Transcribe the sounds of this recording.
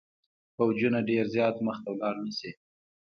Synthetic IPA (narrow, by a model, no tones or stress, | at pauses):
pawd͡ʒunaɖeɾzjɑt̪məxt̪awlɑɾnisi